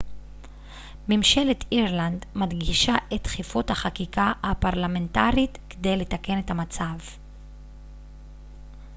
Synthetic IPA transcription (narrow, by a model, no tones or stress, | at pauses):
mimʃe̞letʰiʁlandmadɡiʃaʔe̞t̪χifuthaχakikahapaʁlame̞ntaʁit̪kede̞jle̞take̞ne̞thamat͡sav